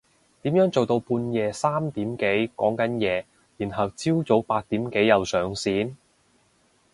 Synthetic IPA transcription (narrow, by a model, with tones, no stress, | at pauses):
t̪iː˨˥mjœː˨˥ŋt͡so˨wt̪o˧wpuː˧njɛː˨˧saː˥mt̪iː˨˥mke˨˥jkɔː˨˥ŋkɐ˨˥njɛː˨˧ | jiː˨˩nɦɐ˨wt͡siː˥wt͡so˨˥wpaː˧t̚t̪iː˨˥mke˨˥jjɐ˨wsœː˨ŋsiː˨˥n